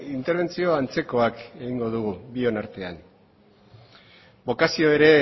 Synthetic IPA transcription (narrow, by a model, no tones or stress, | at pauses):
int̪eɾβ̞e̞nt͡sio̞ant͡se̞ko̞ake̞ɣiŋɡo̞ðuɣ̞ubio̞naɾt̪e̞an | bo̞kasio̞e̞ɾe̞